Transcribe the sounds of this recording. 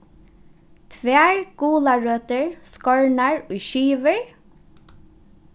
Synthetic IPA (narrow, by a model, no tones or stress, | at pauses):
t̪ʰvɛːɹɡuːlaɹøːt̪əɹskɔɹnaɹʊjʃiːʋɪɹ